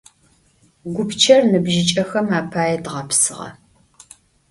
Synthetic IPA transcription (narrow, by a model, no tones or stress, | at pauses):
ɡʷʊpt͡ʃʰɐrnɨbʒɪt͡ʃʼɐxɐmaːpʰaːjɛdʁɐpʰsɨʁɐ̰